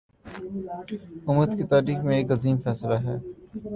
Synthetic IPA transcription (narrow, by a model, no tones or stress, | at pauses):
ʊməd̪kit̪aːɾiːxmẽeːkɐziːmfɛːslaɦɛː